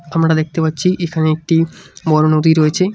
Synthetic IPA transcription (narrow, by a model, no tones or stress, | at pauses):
amɾad̪ek̚ʰt̪epatːɕʰiʔekʰaneek̚ʈibɔɾonod̪ʱiɾojet͡ɕʰe